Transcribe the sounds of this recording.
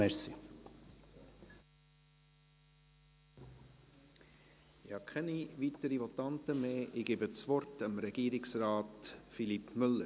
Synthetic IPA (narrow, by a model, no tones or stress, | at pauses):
ɛsi | ɪhɑkʰɛniʋitəɾiʋɔtɑntəmeːʔɪɡeːbət͡sʋɔɾtəmɾɛɡ̥iːɾɪksɾɑːtfilipmʏlːə